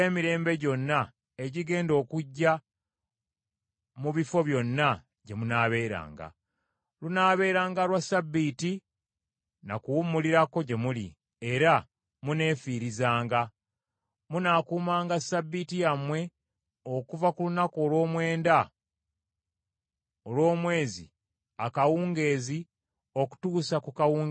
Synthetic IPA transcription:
eːmiɾe̞ːmbe̞ɟo̞nːa | eɟiɡe̞ːndo̞ːkuɟːa | muβifo̞βjo̞nːa | ɟe̞munaːβe̞ːɾa̰ːŋɡa̰ | lunaːβe̞ːɾaːŋɡalwasabːiːti | na̰kuwumːuliɾako̞ɟe̞mulḭ | e̞ɾa | mune̞ːfiːɾizaːŋɡa | munakuːmaːŋɡasabːitijamwe̞ | okuvakulunakoːlwo̞ːmwe̞ːnda | olwo̞ːmwe̞ːzḭ | akawuːŋɡe̞ːzi | o̞ku̥tuːsakukawuːŋɡ

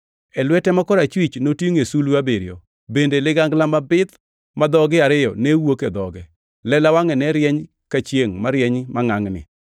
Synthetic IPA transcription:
ɛlwɛtɛmakɔɾat͡ʃwit͡ʃnotioŋesuluabeɾjɔ | bendelɪɡaŋɡlamabɪt̪ | mad̪ɔɡɪaɾɪjɔ̰newoked̪ɔɡɛ | lɛlawaŋɛnɛɾjɛɲ | kat͡ʃjeŋmaɾjɛɲmaŋaŋnɪ̰

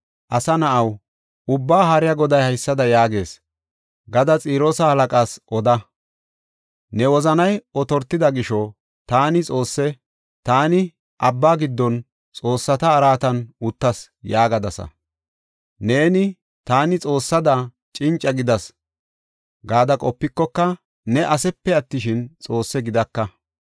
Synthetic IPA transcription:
ʔɐsɐnɐʔɐw | ʊbːaːɦɐɾɪjɐɡɔd̪ɐjhɐjsːɐd̪ɐjaːɡe̞ːs | ɡɐd̪ɐt͡sʼiːɾoːsɐhɐlɐkʼaːsʔɔd̪ɐ | nɛwɔzɐnɐjɔt̪ɔɾt̪ːɪd̪ɐɡɪʃɔ | t̪aːnɪt͡sʼo̞ːsːɛ | t̪aːnɪ | ʔɐbːaːɡɪd̪ːɔn | t͡sʼo̞ːsːɐt̪ɐːɾaːt̪ɐnʊt̪ːɐs | jaːɡɐd̪ɐsɐ̰ | ne̞ːnɪ | t̪aːnɪt͡sʼo̞ːsːɐd̪ɐ | t͡ʃʼɪnt͡ʃʼːɐɡɪd̪ɐs | ɡaːd̪ɐkʼɔpːɪkːɔkːɐ | nɛʔɐsɛpːɛɐt̪ːɪʃɪnt͡sʼo̞ːsːɛɡɪd̪ɐkːɐ

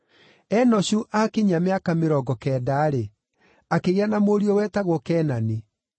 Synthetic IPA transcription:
ɛnɔɕuʔakeɲameakameɾɔɡɔkɛːdaːɾe | akeɣeanamoɾiɔwɛtaɣwɔkɛːnani

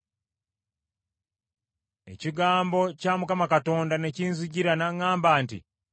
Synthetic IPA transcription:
e̞̰ciɡaːmbo̞camukamakato̞ːndane̞ciːnzuɟiɾanaŋaːmbaːntḭ

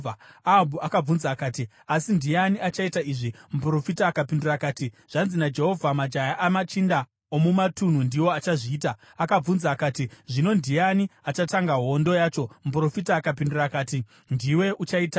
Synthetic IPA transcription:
aabʱuʔakab͡vunzaːkaːti | asindijaniat͡ʃaitaiʐimupuro̞fitaːkapindurakaːti | ʐ̥anzinad͡ʒe̞ɦo̞vʱamad͡ʒajaʔamat͡ʃinda | omumatun̤undiwo̞at͡ʃaʐiːta | akab͡vunzaːkaːtiʐino̞ndijaniat͡ʃataŋɡaɦo̞ndo̞jaːt͡ʃo̞mup̬uro̞fitaːkapindurakaːti | ndiwe̞ʔut͡ʃaiːta

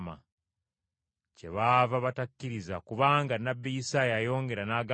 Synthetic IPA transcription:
ma̰ | ce̞̰βaːvaβatakːiɾizakuβaːŋɡanːabːijisaːjajo̞ːŋɡe̞ɾanaːɡa

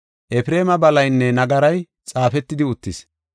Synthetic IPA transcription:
ʔɛfɪɾe̞ːmɐbɐlɐjnːɛnɐɡɐɾɐj | t͡sʼaːfɛt̪ːɪd̪ɪʊt̪ːɪs

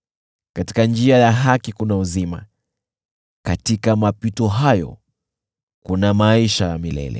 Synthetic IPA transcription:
kati̥kand͡ʒiajaɦakikunauzima̰ | katikamapitɔɦajɔ̰ | kunamaiʃajamilɛ̰lɛ̰

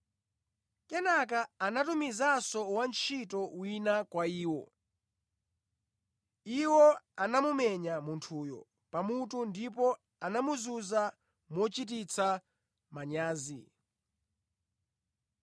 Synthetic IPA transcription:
kɛnakaːnatumizasɔwant͡ʃʰitɔwinakwaiːwɔ | iwɔanamumɛɲamuntʰuːjɔ̰ | pamutundipɔ | anamuzuza | mwɔt͡ʃit̬it͡sʰa | maɲaːzi

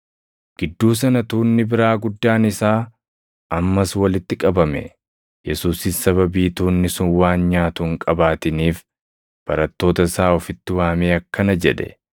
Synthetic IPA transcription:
ɡ̥ɪd̪ːuːs̬ɐnɐt̪uːnːɪbɪɾaːɡʊd̪ːaːnɪsaː | ʔɐmːɐswɐlɪt̪ːɪkʼɐbɐmɛ̰ | jɛsuːsɪssɐβɐbiːt̪uːnːɪsʊnwaːnɲaːt̪ʊŋkʼɐbaːt̪ɪniːf | b̥ɐɾɐt̪ːo̞ːt̪ɐsaːɔfɪt̪ːɪwaːmeːɐkːɐnɐd͡ʒɛd̪ɛ̥̰

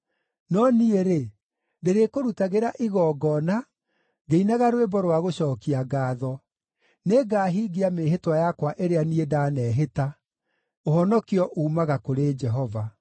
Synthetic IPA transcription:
nɔnieɾe | ndeɾekoɾutaɣeɾaʔiɣɔːɡɔna | ɡeinaɣaɾwebɔɾwaɣoɕɔːkiaɡaːðɔ | neɡaːɦiɡiameːɦetwajakwaʔeɾeaniedaːnɛːɦeta | ohɔnɔkiɔʔuːmaɣakoɾed͡ʒɛɦɔva

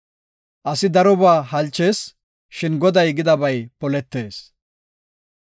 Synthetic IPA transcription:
ʔɐsɪd̪ɐɾɔbaːɦɐlt͡ʃːe̞ːs | ʃɪnɡɔd̪ɐjɡɪd̪ɐbɐjpɔlɛt̪ːe̞ːs

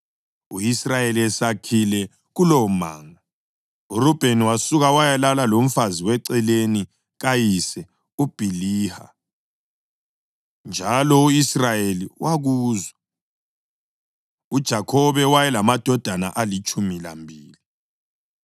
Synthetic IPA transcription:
uisrajeliɛsakʰilɛ | ɣuloma̰ːŋa | urub̥ʱeniwasuɣawajalalalom̩faziwɛǀɛleni | ɣajisɛ | ub̥ʱiliːha̰ | nd͡ʒʱalɔuisrajeliwaɣuːzwa | ud̥ʒ̥ʱakʰɔβɛwajɛlamad̥ʱɔd̥ʱana̰ʔalit͡ʃʼumila̰mbʱiːli

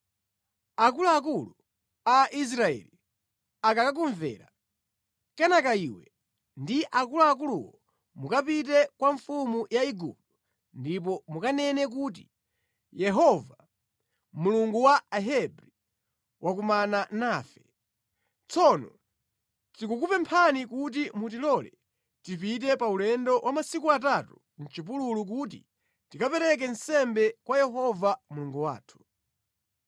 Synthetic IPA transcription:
ak̬uluak̬ulu | aʔis̬ɾaɛ̰li | akakak̬uɱvɛ̰ːɾa̰ | kɛnakaiwɛ | ndiʔakuluak̬uluwɔ | mukapit̬ɛkwaɱfumujaiɡṵp̚du | ndip̬ɔmukanɛnɛk̬uːt̬i | jɛɦɔva | muluŋɡuwaaɦɛbɾi | wʔak̬umananaːfɛ | t͡sɔnɔ | tikukupɛmpʰanikut̬imut̬ilɔlɛ | tipitɛpaulɛndɔwʔamasikuatatu | n̩t͡ʃip̬ululuk̬ut̬ḭ | tikapɛɾɛk̬ɛnsɛmbɛkwajɛɦɔvamuluŋɡuwa̰ːtʰu̥

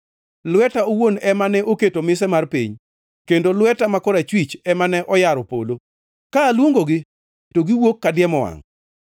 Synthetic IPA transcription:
lwɛtaowonɛmanɛʔoketomɪsɛmarpḭɲ | kendolwɛtamakɔɾat͡ʃwit͡ʃɛmanɛʔɔjaɾɔpo̰lo | kaːlwoŋɡoɡɪ | toɡiwokːadɪɛmɔwa̰ŋ

